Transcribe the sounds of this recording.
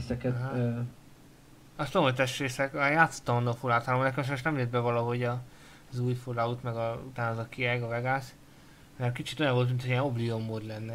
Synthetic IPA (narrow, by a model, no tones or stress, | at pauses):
sɛkɛɦ | ɒst̪omojt̪ɛʃt̪reːsɛkaːjaːt̪sːo̥t̪ːɒmonːɒfulaːt̪aːlomnɛk̬ɛmʃɛmoʃnɛmled̪bɛvɒlɒɦo̞ɟɒ | zuːjfulaut̪mɛɡɒut̪aːnɒzɒkiɛɡɒvɛɡaːs | mɛmkit͡ʃi̥t̪o̞jɒɱvo̞lt̪mint̪ʰoiɛnobliomːod̪lɛnːɛ